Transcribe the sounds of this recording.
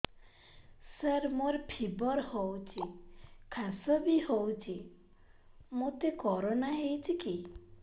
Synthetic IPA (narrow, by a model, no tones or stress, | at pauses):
səɾmoɾpʰibɔɾhowt͡ʃʰikʰasɔbiɦowt͡ʃʰi | mot̪ekɔɾonaɦejt͡ʃʰiki